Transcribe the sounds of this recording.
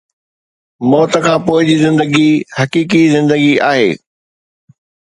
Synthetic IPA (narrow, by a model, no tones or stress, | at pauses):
mɔːt̪əkʰãːpoːɪd͡ʑiːzɪ̃nd̪əɡihɐkiːk̬izɪ̃nd̪əɡiaːɦḛː